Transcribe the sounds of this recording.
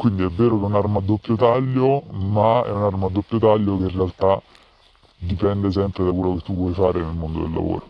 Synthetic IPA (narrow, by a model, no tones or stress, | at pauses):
kwind̪iɛvːeːɾokɛunarmad̪ːopːjot̪aʎːomaɛ̰unarmad̪ːopːjot̪aʎːokeinrealt̪a | d̪ipɛnd̪es̬ɛmpɾed̪akwelːoket̪ːuvːwɔjfaːɾenelmond̪o̰d̪ḛlːa̰vo̰ːɾo